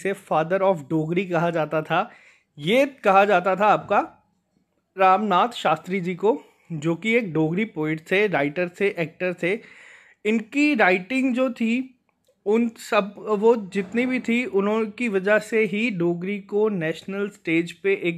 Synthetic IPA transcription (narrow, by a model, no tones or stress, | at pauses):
sefaːd̪əɾɔːfɖoːɡɾikɐɦad͡ʒaːt̪at̪ʰa | jekɐɦad͡ʒaːt̪at̪ʰaːp̚ka | ɾaːmnaːt̪ʃaːst̪ɾid͡ʒiːko | d͡ʒoːkieːk̚ɖoːɡɾipoːɪ̃ʈt̪ʰeɾaːɪʈəɾseʔɛːk̚ʈəɾtʰe | ɪnkiɾaːɪʈɪ̃ŋɡd͡ʒoːt̪ʰi | ʊnsɐbʋod͡ʒɪt̪nibʱit̪ʰiʊnɦõkiʋɐd͡ʒəseɦiɖoːɡɾikonɛːʃnəlsʈeːd͡ʒpeʔeːk